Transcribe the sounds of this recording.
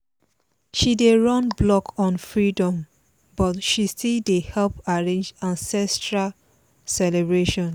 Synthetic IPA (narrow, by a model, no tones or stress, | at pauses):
ʃideɹɔ̃nblɔkʰɔ̃nfɹidɔ̃m | bɔtʃistildehɛlpaɹẽnd͡ʒãnsɛstɹa | sɛlebɹeʃɔ̃n